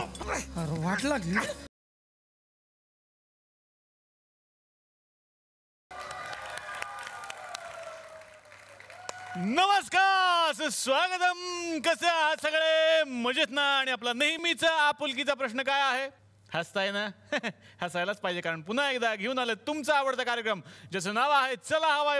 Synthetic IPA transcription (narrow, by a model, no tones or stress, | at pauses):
ɾʋaʈlaɡliː | nəʋəskaəsesʋaɡət̪əmkəseaɦasəɡɭem̤əd͡ʑet̪naaːɽ̃iaplanəɦimit͡səapulk̬it͡sapɾəɕnəkajaɦe | həst̪ajna | həsajlat͡spaid͡ʑekaɾəɳpun̤aekd̪aɡʱeuːnalet̪umt͡saːʋəɽt̪akaɾjəkɾəmd͡ʑas̬enaʋaɦet͡səlaɦəʋa